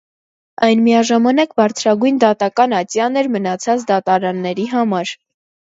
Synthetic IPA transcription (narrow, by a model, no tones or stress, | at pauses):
ɑjnmiɑʒɑmɑnɑkbɑɾt͡sʰɾɑɡujnd̪ɑt̪ɑkɑnɑt͡sjɑnɛɾmənɑt͡sʰɑt͡sd̪ɑt̪ɑɾɑnːɛɾiɦɑmɑɾ